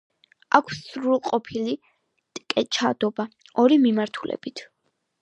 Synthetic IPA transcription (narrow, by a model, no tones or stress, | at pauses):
akʷʰsːɾulˠqʼɔpʰili | t̪ʼkʼɛt͡ʃʰad̪̥ɔba | ɔɾimimaɾt̪ʰulʔɛ̰b̥it̪ʰ